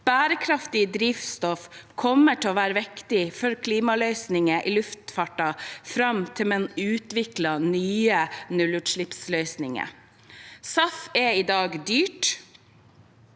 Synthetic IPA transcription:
b̥æːɾəkʰɾɑft̪ɪd̪ɾiːʋst̪ɔfkʰɔmːəʈʰɛoːʋæːɾəʋɛkt̪ɪfɔɾkʰliːmɑlœʏsnɪŋəʔiːlʉft̪fɑʈɑfɾɑmt̪ʰɪlmɛnʉːt̪ʋɪklɑnyːənʉlʉt̪ʃɭɪpslœʏsnɪŋə̰ | sɑfɛiːd̪ɑːɡd̪yːʈ

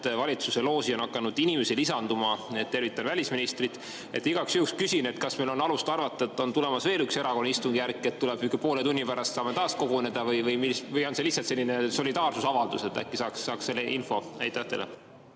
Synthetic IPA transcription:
vɑlʲit̪suse̞lo̞ːsionɑkːˑɑnud̪inʲimesilisɑnd̪umɑet̪ːe̞rvit̪ːˑɑnvælʲisminist̪rit̪ˑ | e̞̰t̪ːˑiɡ̥ɑksjuːkskysʲine̞t̪kɑsmejlo̞nɑlust̪ɑrvɑt̪ːˑɑet̪ːˑo̞nt̪ulemɑsve̞ːlykse̞ɾɑko̞nːɑist̪uŋɡ̥ijærkːˑe̞t̪t̪ːuleb̥ykːˑepo̞ːlet̪unʲːipæɾɑst̪sɑːmet̪ɑːsko̞ɡ̥one̞d̪̥ɑvɯjvɯjmisvɯjo̞nselihsːɑlt̪se̞lːine̞so̞lʲid̪ɑːrsusɑvɑld̪use̞t̪ːˑæ̰kːˑisɑːksːɑːkse̞lːeʔinfo̞æ̰jt̪ːˑɑht̪ːelḛ

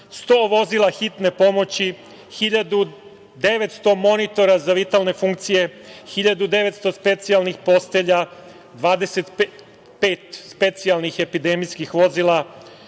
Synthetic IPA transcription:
st̪o̞ːʋo̞zilˠaxit̪ne̞po̞mo̞t͡ɕi | xiʎad̪u | d̪e̞ʋe̞t̪st̪o̞mo̞nit̪o̞ɾazaʋit̪alne̞fuŋkt̪sije̞xiʎad̪ud̪e̞ʋe̞t̪st̪o̞spe̞t̪sialnixpo̞st̪e̞ʎa | d̪ʋaːd̪e̞set̪ | peːt̪spe̞t̪sialˠnixe̞pid̪e̞mijskixʋo̞zila

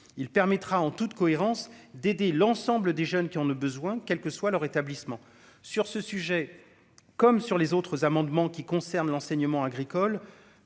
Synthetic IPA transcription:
ilpɛʁmɛt̪χaɑ̃t̪ut̪kɔeʁɑ̃sd̪ed̪elɑ̃sɑ̃bləd̪eʒœnkʲiɔ̃ləbəzwɛ̃kʲɛlkəswalœʁet̪ablismɑ̃ | syʁsəsyʒɛ | kɔmsyʁlezot̪χəzamɑ̃d̪mɑ̃kʲikɔ̃sɛʁnlɑ̃sɛɲəmɑ̃aɡʁikɔl

